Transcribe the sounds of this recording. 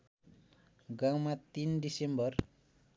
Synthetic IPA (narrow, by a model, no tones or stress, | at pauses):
ɡaŋmat̪indisɛmbər